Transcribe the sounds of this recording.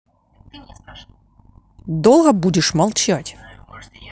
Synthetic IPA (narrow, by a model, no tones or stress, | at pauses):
d̪olˠɣəbudʲɪʂmɐlˠt͡ɕatʲ